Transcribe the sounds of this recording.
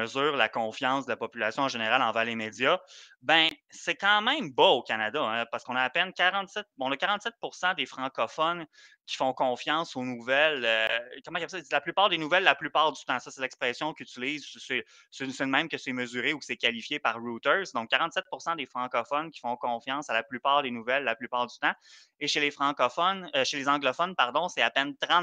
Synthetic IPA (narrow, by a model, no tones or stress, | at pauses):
əzyːʁlakɔ̃fjɑ̃sd̪əlapɔpylasjɔ̃ɑ̃ʒeneʁalɑ̃vɛːʁlemed͡z̪jabɛ̃sɛkɑ̃mɛ̃ɪ̃mbɔokanad̪aɛ̃paʁsəkɔ̃naapɛnkʲaʁɑ̃t̪sɛt̪̚b̃ɔ̃nakaʁɑ̃t̪sɛt̪̚pʊʁsɑ̃d̪efχɑ̃kɔfɔn | kʲi̥fɔ̃kɔ̃fjɑ̃sonuvɛløkɔmɑ̃kjapslaplypaːʁd̪enuvɛllaplypaːʁd̪yt̪ɑ̃sɔselɛkspχɛsjɔ̃kʲyt͡siliːzssɛ | sesɛmɛ̃mkəsɛməzyʁeukə̥sɛkalifjepaʁɹut̪œ˞zd̪ɔ̃kːaʁɑ̃t̪sɛt̪̚puʁsɑ̃d̪efχɑ̃kɔfɔnkʲi̥fɔ̃kɔ̃fjɑ̃ːsalaplypaːʁd̪enuvɛlːaplypaːʁd̪yt̪ɑ̃ | eʃelefχɑ̃kɔfɔnəʃelezɑ̃ɡlɔfɔnpaʁd̪ɔ̃sɛapɛnt̪ʁɑ̃t̪